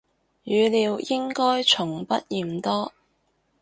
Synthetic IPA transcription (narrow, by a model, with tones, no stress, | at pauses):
jyː˨˧liː˨˧wjɪ˥ŋkɔː˥jt͡ʃʰʊ˨˩ŋpɐ˦˥t̚jiː˨˩mt̪ɔː˥